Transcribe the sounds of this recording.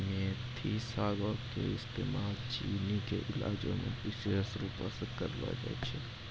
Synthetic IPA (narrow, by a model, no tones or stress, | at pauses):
mẽt̪ʰisaːɡəkḛɪst̪eːmaːlt͡ʃiːnikeʔɪlaːd͡ʒõmḛ̃pɪsesɾuːpasekəɾba̰d͡ʒa̰t͡ʃʰɛ